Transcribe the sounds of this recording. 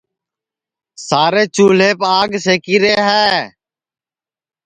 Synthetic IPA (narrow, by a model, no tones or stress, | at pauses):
saːɾeːt͡ʃuːleːpaːɡseːkiːɾeːɦɛː